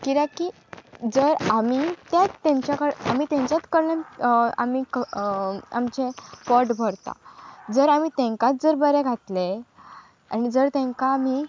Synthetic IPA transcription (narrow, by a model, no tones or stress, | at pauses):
kiɾaki | d͡zəɾamit̪jatt̪ːãɲt͡ɕjakəɾamit̪ãɲt͡ɕjat̪kəɾləna̰mikə | a̰mt͡ɕepɔʈbʱəɾt̪a̰d͡zəɾamit̪ẽŋkãt̪̚d͡zəɾbəɾɛɡʱat̪le | a̰nid͡zəɾt̪ẽŋkaːmi